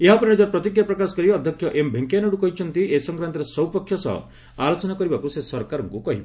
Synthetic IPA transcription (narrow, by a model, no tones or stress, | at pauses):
eɦapɔnind͡ʒaɾpɾɔt̪ikɾjapɾɔkasɔ̥kɔɾiɔd̪ʱjɔkʰjɔʔembʱiŋkanɔɽukɔɦit͡ʃʰɔnt̪iesɔŋkɾant̪ɔɾesɔwpɔkʰjɔsɔ̰ | alot͡ʃɔnakɔɾibakusesɔɾkaɾɔŋkukɔɦibe